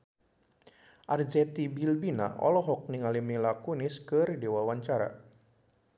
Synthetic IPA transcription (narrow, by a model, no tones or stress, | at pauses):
ʔard͡ʒɛt̪ibilbina̰ɔ̰lɔɦɔk̚niŋalimilakuniskɨrdewawaɲt͡ʃaɾa̰